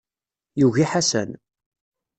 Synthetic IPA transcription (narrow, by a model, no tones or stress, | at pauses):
juʝiħasə̰n